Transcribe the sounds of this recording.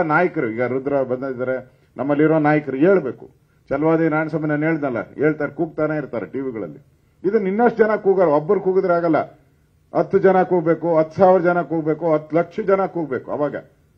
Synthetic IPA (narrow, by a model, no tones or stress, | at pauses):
naːjɐkɐɾuiːɡɐɾud̪ɾɐbɐnd̪ad̪id̪aːɾe | nʔɐmːɐlːiɾoːnaːjɐkɐɾue̞ːɭbe̞ːkṵ | t͡ʃɐlʋaːd̪enaːjnɐsɐmɐnɐne̞ːɭd̪nɐlːɐ̰e̞ːɭt̪aːɾekuːɡ̚t̪aːneːiɾt̪aːɾeʈiʋiɡɐɭɐ̰lːi | id̪unːinːɐʂʈd͡ʒɐnɐkuːɡaɾobːɐɾukuːɡud̪ɾeaːɡɐlːɐ̰ | ɐt̪ːud͡ʒɐnɐkuːɡbe̞ːkuɦɐt̪ːsaːʋiɾɐd͡ʒɐnɐkuːɡbe̞ːkuɐt̪ːlɐkʂɐd͡ʒɐnakuːɡbe̞ːkuɐ̰ʋaːɡɐ̰